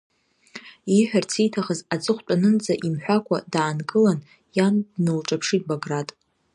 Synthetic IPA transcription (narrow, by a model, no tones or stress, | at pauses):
iħᶣart͡sʰejtʰaχəzad͡zʼɨχʷt͡pʷʼanɨnt͡sʼaʔimħʷᶣakʷʰa̰daːnɡʼɨlan | jandnɨlʈ͡ʂʼapʰʂit̚ʼbaɡratʼ